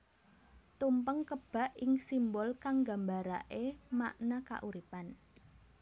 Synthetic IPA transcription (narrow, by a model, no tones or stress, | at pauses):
t̪umpəŋkəb̥a̤ʔɪŋsimbɔlkaŋɡa̤mbaɾaʔemaʔnaka̰ʔuɾipan